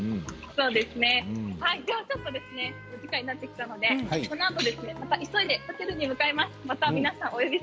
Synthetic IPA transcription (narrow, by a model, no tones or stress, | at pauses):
so̞ːd̪e̞sɨne̞haid̪e̞βat͡ɕo̞t̪ːo̞d̪e̞sɨne̞ | oɡʲikaiɲnat̪ːe̞kʲi̥t̪ano̞d̪e̞so̞noat̪o̞d̪e̞sɨne̞mat̪aʔiso̞id̪e̞pat̪eɾɯ̟ɲ̟imɯ̟kaemasɨmat̪amʲinasãŋ̃o̞jo̞bʲi